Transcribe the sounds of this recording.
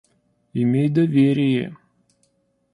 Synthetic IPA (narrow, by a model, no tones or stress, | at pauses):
ɪmʲejd̪ɐvʲeɾʲɪjḛ